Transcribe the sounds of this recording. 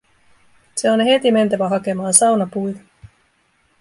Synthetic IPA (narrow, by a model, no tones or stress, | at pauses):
se̞onɦe̞t̪ime̞nt̪æʋæɦɑke̞mɑːnsɑwnɑpujt̪ɑ